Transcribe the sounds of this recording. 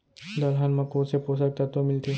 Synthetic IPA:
d̪ɐlɦanmɐkoːsepoːsək̚t̪at̪omɪlt̪e

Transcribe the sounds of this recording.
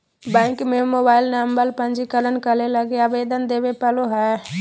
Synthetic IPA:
bɛ̃ɪkmemoːbaːɪlnambəlpə̃nd͡ʒikələnkəleləɡeaʋeːd̪ənd̪eːbepəloɦɛː

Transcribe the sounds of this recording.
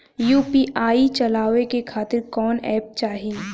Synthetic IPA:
juːpiʔaːit͡ʃɐlaːʋekekʰaːt̪ɪɾkɔːnɛːp̚t͡ʃaːɦi

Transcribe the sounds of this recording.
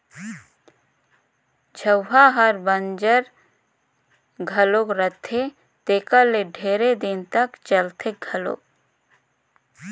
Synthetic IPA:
d͡ʒʱəwɦaɦəɾbə̃nd͡ʒəɾ | ɡʱəlokɾət̪ʰe | t̪eːkəleɖʱeːɾed̪ɪnt̪əkt͡ʃəlt̪ʰeɡʱɐlo̰ː

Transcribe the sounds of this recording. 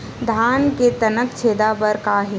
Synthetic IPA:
d̪ʱaːnket̪ɐnəkt͡ʃʰeːd̪apɐɾkaːɦe

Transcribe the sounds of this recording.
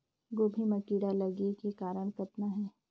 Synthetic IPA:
ɡoːbʱimɐkiːɽalɐɡikekaːɾəɽ̃kɐt̪naɦɛː

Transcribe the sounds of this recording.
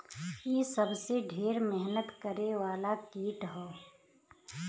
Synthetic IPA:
jeːsəbseɖʱeːɾmɛɦnət̪kəɾeʋaːlakiːʈɦoː

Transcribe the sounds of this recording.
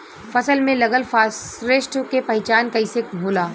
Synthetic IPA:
fɐsəlmẽlɐɡəlfaːsɾeːʃʈkepɐɦɪt͡ʃaːnkɐɪsekbʱuːlaː

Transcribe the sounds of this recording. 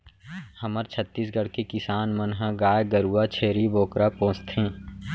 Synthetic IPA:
həməɾt͡ʃʰət̪ːiːsɡəɽkikɪsaːnmənɦəɡaːjɡəɾuːat͡ʃʰeːɾiboːkɾapõːst̪ɦẽː

